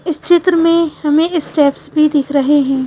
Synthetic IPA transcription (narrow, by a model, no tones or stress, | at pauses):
ɪst͡ʃɪt̪ɾəmẽhɐmẽɪsʈɛːpsbʱid̪ɪkʰɾɐɦeɦɛ̃ː